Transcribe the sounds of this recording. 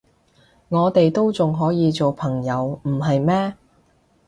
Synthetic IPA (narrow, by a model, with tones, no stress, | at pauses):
ŋɔː˨˧t̪e˨jt̪o˥wt͡sʊ˨ŋɦɔː˨˥jiː˨˧t͡so˨wpʰɐ˨˩ŋjɐ˨˧wm̩˨˩ɦɐ˨jmɛː˥